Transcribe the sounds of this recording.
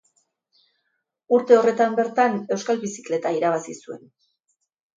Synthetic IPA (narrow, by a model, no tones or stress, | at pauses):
uɾt̪e̞o̞re̞t̪ambe̞ɾt̪ane̞wskalβisi̥kle̞t̪aiɾaβ̞asisue̞̰n